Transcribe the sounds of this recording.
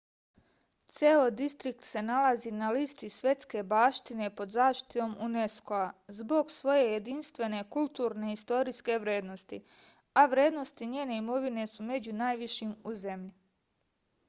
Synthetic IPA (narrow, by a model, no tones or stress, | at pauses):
t̪seod̪ist̪ɾik̚t̪se̞nalazinalist̪isʋje̞t̪ske̞baːʃt̪ine̞po̞d̪zaːʃt̪i̥t̪it̪o̞ːmune̞skoazbo̞ɡsʋo̞je̞je̞d̪inst̪ʋe̞ne̞kulˠt̪uːɾne̞ist̪o̞ɾiske̞ʋɾje̞ːd̪no̞st̪i | aʋɾje̞ːd̪no̞st̪iɲeːne̞imo̞ʋine̞sume̞d͡ʑunaːjʋiʃimuze̞mʎi